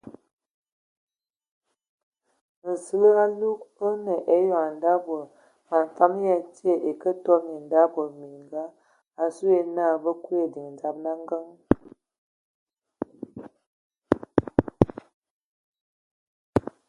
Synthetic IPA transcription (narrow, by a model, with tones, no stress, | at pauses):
n̩˨sɨ˦lə˦a˦lu˦kə˦nə˨ʔe˦jɔ˨a˨n˨da˦bə˨ | ma˨n˨fa˦mja˦˨ti˦e˨ʔe˨kə˦tɔ˦ni˨n˨da˦bə˨mi˨ŋɡa˦ | a˨su˦e˦na˦˨bə˦ku˦e˨di˨ŋ˨d͡za˦p̚na˦ŋ˦ɡə˦ŋ